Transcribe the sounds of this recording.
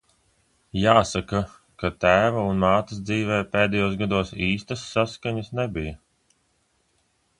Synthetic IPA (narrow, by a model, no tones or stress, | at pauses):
jaːsaka | kat̪æːvaunmaːt̪is̬d̪ziːvɛːpeːd̪ɛjuːsɡad̪uɔsiːst̪asːaskaɲɐsnɛbija